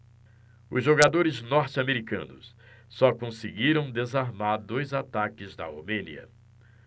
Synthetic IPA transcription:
ʊzʒoɡad̪oɾɪznɔɾt͡ʃɪameɾikɐ̰̃nʊ̰sː | ɔkõsɪɡiɾɐ̃w̃d̪ezaɾmaɾd̪ojzat̪akɪzd̪ɐo̰mẽnḭɐ̰

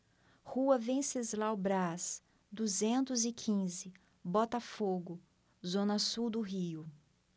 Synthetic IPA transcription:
huɐvẽsezlawbɾas | d̪uzẽnt̪ʊzɪkʰĩzɪ | bɔt̪ɐfoɡʊ | zõnɐsuwd̪ʊɦiʊ

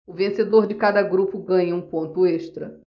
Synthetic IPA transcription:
ʊvẽsed̪oɾd͡ʒɪkad̪ɐɡɾupʊɡɐ̃ɲɐũpõnt̪ʊeʃt̪ɾɐ

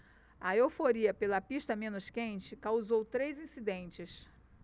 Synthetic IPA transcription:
ɐewfoɾiɐpelɐpiʃt̪ɐmẽnʊskẽnt͡ʃɪkawzowt̪ɾejzĩsid̪ẽnt͡ʃɪs

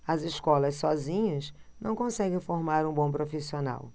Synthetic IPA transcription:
ɐziʃkɔlɐssɔzĩɲɐz | nɐ̃w̃kõsɛɡẽj̃foɾmaɾũbõw̃pɾofisiona̰w

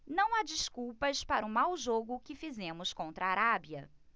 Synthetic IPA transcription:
nɐ̃w̃ad͡ʒiskupɐspaɾʊmawʒoɡʊkɪfizẽmʊskõnt̪ɾaːɾabiɐ

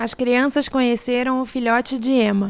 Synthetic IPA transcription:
ɐskɾiɐ̃sɐskõɲeseɾɐ̃w̃ʊfiʎɔt͡ʃɪd͡ʒɪẽmɐ

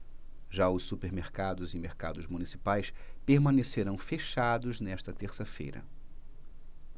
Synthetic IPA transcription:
ʒaʊssupeɾmeɾkad̪ʊzĩmeɾka̰d̪ʊzmunisipajspeɾmɐ̃neseɾɐ̃w̃feʃad̪ʊznɛʃt̪ɐt̪eɾsɐfḛjɾɐ̰

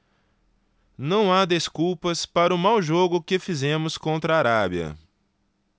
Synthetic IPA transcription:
nɐ̃w̃ad̪eskuwpɐspaɾɐʊmawʒoɡʊkɪfizẽmʊskõnt̪ɾɐaɾabiɐ̰

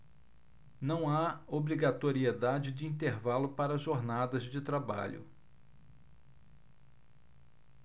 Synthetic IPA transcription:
nɐ̃w̃aobɾiɡat̪oɾied̪ad͡ʒɪd͡ʒɪĩnt̪eɾvalʊpaɾɐʒoɾnad̪ɐzd͡ʒɪt̪ɾaba̰ʎʊ̰

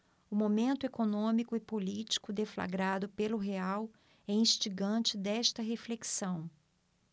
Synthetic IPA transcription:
ʊmomẽnt̪ʊekonõmikʊɪpolit͡ʃi̥kʊd̪efla̰ɡɾad̪ʊpelʊɦeaw | ɛĩʃt͡ʃiɡɐ̃nt͡ʃɪd̪ɛst̪ɐɦefleksɐ̃w̃

